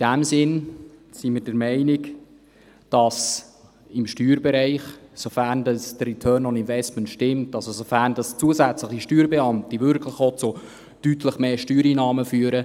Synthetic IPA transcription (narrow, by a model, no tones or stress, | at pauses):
id̥æmsɪnsiməɾdəɾmɛɪnɪk | d̥ɑs | ɪmʃtyːɾbɛɾæɪχsofærndɑsdəritʰœːnɔnɪnvɛstməntʃtɪmtɑlsosofærndɑst͡suəzæt͡sləχiʃtyːɾbeɑmt̪iʋʏɾkʰləχɔtt͡so | tytʰləχmeːʃtyːɾiːnɑːməfyːəɾə